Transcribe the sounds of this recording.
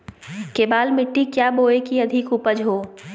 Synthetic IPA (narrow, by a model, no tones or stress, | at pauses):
keːbaːlmɪʈːikjaːboːekiɐd̪ʱɪkʊpəd͡ʒɦoː